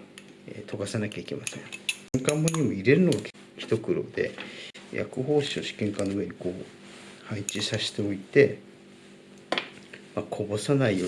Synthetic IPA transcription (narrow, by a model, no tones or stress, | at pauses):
ḛːt̪ʰo̞ɡasanakʲaike̞masẽ̞ŋŋkãmːoɲ̟ʲimo̞iɾe̞ɾɯ̟no̞ɡak | kʲi̥t̪o̞kɯ̟ɾo̞̰ːd̪e̞̰jʔa̰kɯ̟ɦo̞ːɕio̞ɕi̥kẽ̞ŋkanːo̞ɯ̟e̞ɲ̟iko̞ː | hait͡ɕisaɕi̥t̪e̞o̞it̪e̞ | makʰo̞bo̞sanaijoː